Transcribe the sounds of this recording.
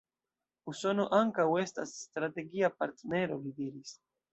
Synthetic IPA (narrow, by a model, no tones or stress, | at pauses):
uso̞noʔaŋkawe̞sta̰sːtɾate̞ɡiapaɾt̪ne̞ɾo̞lidiɾis